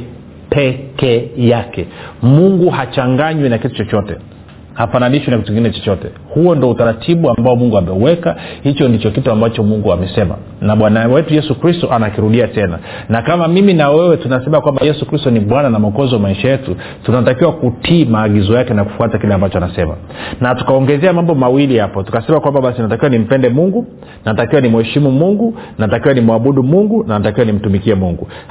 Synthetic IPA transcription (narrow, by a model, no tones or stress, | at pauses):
pɛkɛjakɛmuŋɡuhat͡ʃaŋɡaɲwinakitu̥t͡ʃɔt͡ʃɔtɛ | hafananiʃwinakituiŋɡinɛt͡ʃɔt͡ʃɔtɛ̰ | huɔndiɔutaɾatʰiɓuambaɔmuŋɡuamɛuwɛkahit͡ʃɔndit͡ʃɔkituambat͡ʃɔmuŋɡuamɛsɛma̰ | naɓwanawɛtujɛsukɾistɔʔanakiɾuɗiatɛna̰ | nakamamiminawɛwɛtunasɛmakwambajɛsukɾistɔniɓwananamaɔkɔzɔwamaiʃajɛtu | tunatakiwakutʰiːmaːɠizɔjakɛnaku̥fuatakilɛambat͡ʃɔanasɛma̰ | natu̥kaɔŋɡɛzɛamambɔmawilihapɔtu̥kasɛmakwambaɓasinatakiwanim̩pɛndɛmuŋɡu | natakiwanimuhɛʃimumuŋɡunnatakiwanimuaɓuɗumuŋɡunanatakiwanim̩tumikiɛmuŋɡu